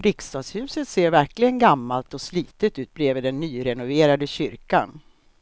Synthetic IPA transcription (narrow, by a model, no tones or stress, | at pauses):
ɾɪkst̪ɑːɡshʉ̟ːsət̪seːɾvæɾklɪɡənɡamːalt̪ɔsliːt̪ət̪ʉ̟ːt̪̚bɾeːvəd̪ɛnːyːɾɛnʊveːɾad̪əɕʏɾka̰n